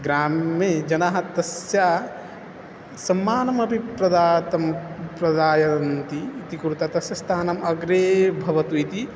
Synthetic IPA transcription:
ɡɾaːmːed͡ʒɐnaːɦɐt̪ɐsjaː | sɐmːaːnɐmɐbʱipɾɐd̪aːt̪ɐmpɾɐd̪aːjɐnt̪iːt̪ikuɾut̪at̪ɐsjɐst̪ʰaːnɐmɐɡɾeːbʱɐʋɐt̪uit̪i

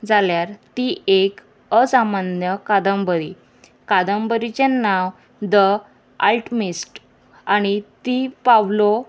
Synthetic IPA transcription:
d͡zaljaɾt̪iʔek | əsamanjəkad̪əmbəɾi | kad̪əmbəɾit͡ɕenːaʋ | d̪ə | alʈmisʈ | aɽ̃it̪ipaʋlo

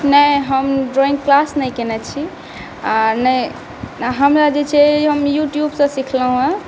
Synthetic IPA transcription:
nɛjɦəmɖɾoĩŋɡklasnəjkenɛt͡ʃʰi | anɛj | ɦəmɾad͡ʒet͡ʃʰɛɦəmjuʈjubsə̃sikʰləɦũə̃

